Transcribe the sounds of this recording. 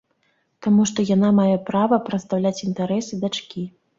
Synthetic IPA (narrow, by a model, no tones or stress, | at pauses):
t̪amuʂt̪ɔjanamajɛpɾavɐpɾɐt̪st̪awlʲat͡sʲint̪aɾɛsɨd̪at͡ʂkʲi